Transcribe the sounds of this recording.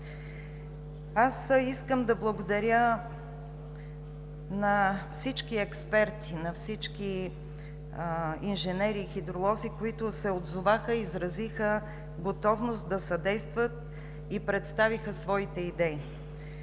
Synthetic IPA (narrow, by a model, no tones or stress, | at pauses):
asiskəmd̪ɐblˠəɡod̪ɐɾjə | nɐfsit͡ʃkiɛkspɛɾt̪ʰinɐfsit͡ʃki | inʒɛnɛɾiːxid̪ɾolˠɔzikoit̪ʊsɛod̪zovaxəizɾɐzixə | ɡot̪ɔvnost̪̚d̪ɐsɐd̪ɛjst̪vət̪̚ | ipɾɛt̪st̪avixəsvɔit̪ɛid̪ɛi